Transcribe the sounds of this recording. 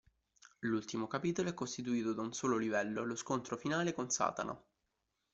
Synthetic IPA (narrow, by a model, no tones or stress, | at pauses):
lult̪imokapiːt̪oloɛkːost̪it̪uiːt̪od̪aunsoːlolivɛlːoloskont̪ɾofinaːlekonsa̰ːt̪a̰na̰